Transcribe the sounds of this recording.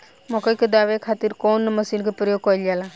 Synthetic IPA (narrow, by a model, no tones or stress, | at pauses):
mɔkəjked̪aʋekʰat̪iɾkoːnːməsinkepɾəjoɡ̚kɔjld͡ʒala